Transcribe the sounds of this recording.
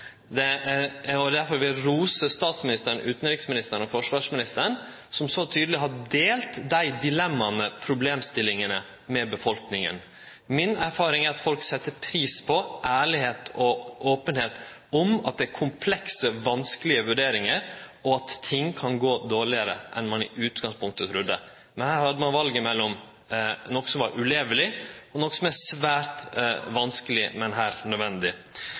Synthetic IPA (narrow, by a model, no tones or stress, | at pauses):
d̪ɛ | ɔd̪æɾfɔɾʋɪlɾuːsəst̪ɑːt̪smɪnɪst̪əɾɳ̩ʉːt̪nɾɪksmɪnɪst̪əɾəɳɔfɔʂʋɑːʂmɪnɪst̪əɾɳ | sɔmsɔt̪ʰyːd̪əlɪɦɑd̪eːlt̪d̪æɪd̪ɪlɛmːɑmɛpʰɾʊbleːmst̪ɪlɪŋənə | mɛbəfɔlknɪŋə̰n | mɪnæɾfɑːɾɪŋæɾɑt̪fɔlksɛt̪ːəɾpʰɾiːspʰɔʔæːɭɪheːt̪ʰɔʔoːpənheːt̪ | ɔmɑt̪̚d̪ɛæɾkʰʊmpʰlɛksəʋɑnskəlɪəʋʉɖeːɾɪŋəɾɔɑt̪ʰːɪŋkʰɑnɡoːd̪oːɭɪəɾə̰ʔɛnmɑnɪ̰ʔʉːt̪ɡɑŋspʰʊŋk̚t̪ət̪ʰɾʉd̪ːə | mɛnhæːɾhɑd̪ːəmɑnʋɑlɡəmɛlːɔm | nɔkːə̥sɔmʋɑɾʔʉleːʋəlɪɔnɔkːə̥sɔmæsʋæːɾt̪ʋɑnskəlɪmɛnɦæːɾnœd̪ʋɛnd̪ɪ